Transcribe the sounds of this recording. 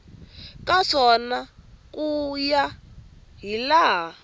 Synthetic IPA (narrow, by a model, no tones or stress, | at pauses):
kaʂɔnakʼuja | ɦilaːɦa